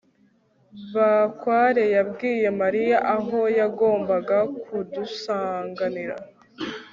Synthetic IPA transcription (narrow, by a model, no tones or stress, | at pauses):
βakwaːɾe̞jabɡiːje̞maɾijaʔaɦo̞jaɡo̞ːmbaɡakudusaːŋɡaniɾa̰